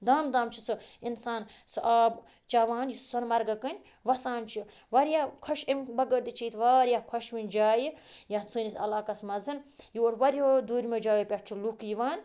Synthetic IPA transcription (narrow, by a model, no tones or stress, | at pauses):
d̪aːmd̪aːmt͡ʃʰisɨinsaːnsɨʔaːb | t͡ʃaʋaːnjissɐnmɐɾɡɐkɐnʲ | ʋɐsaːnt͡ʃʰiʋɐɾjaːkʰɐʃemʲbɐɡəɾd̪it͡ʃʰijt̪ʰʋaːɾʲjaːkʰɐʃʋinʲd͡ʒaːjijat͡sɨːnʲisɐ̰laːkɐsmɐzɨnjoːɾʋɐɾʲoːd̪uːɾʲmed͡ʒaːʋipʲeʈ̚ʰt͡ʃʰilukiʋaːn